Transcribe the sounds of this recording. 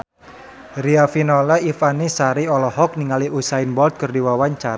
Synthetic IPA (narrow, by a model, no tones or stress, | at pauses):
riafinɔlaifanisaɾiɔlɔɦɔk̚niŋaliʔusaɪnbɔlt̪̚kərdiwawaɲt͡ʃaɾa